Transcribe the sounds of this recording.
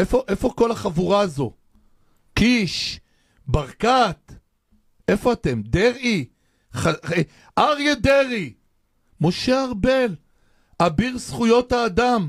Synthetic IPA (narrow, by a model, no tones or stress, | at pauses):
efo̞ʔe̞fo̞ko̞laχavuʁazo̞ | kiʃ | baʁkat̪ | e̞fo̞at̪e̞md̪eʁi | ae | aʁjed̪eʁi | mo̞ʃeaʁbel | abiʁsχujo̞t̪haːd̪am